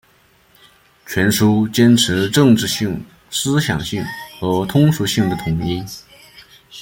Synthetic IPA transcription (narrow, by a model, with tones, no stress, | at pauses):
t͡ɕʰɥɛ˧˥nʂu˥t͡ɕjɛ˥nʈ͡ʂʰɻ̩˧˥ʈ͡ʂɤ˥˧ŋʈ͡ʂɻ̩˥˧ɕi˥˩ŋ | sɹ̩˥ɕjɑ̰˨˩ŋɕi˥˩ŋxɤ˧˥t̪ʰʊ˥ŋʂu˧˥ɕi˥˩ŋd̪ə˩t̪ʰʊ˧˥ŋi˥n